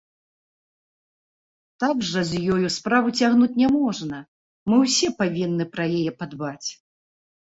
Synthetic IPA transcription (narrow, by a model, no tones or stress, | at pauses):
t̪aɡʐɐzʲjɔjuspɾavut͡sʲaɣnut͡sʲnʲɛmɔʐnɐ | mɨwsʲɛpavʲinːɨpɾɐjɛjɛpad̪bat͡sʲ